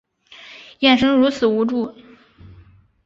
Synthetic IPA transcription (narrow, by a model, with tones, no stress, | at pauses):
jɛ˥˩nʂɤ˥ŋɻu˧˥t͡sʰɹ̩˨˩u˧˥ʈ͡ʂu˥˩